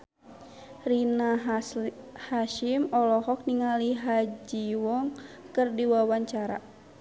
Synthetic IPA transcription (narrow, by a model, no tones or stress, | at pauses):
rina | haʃimɔlɔɦɔk̚niŋaliɦad͡ʒiwɔŋkɨrdiwawaɲt͡ʃaɾa̰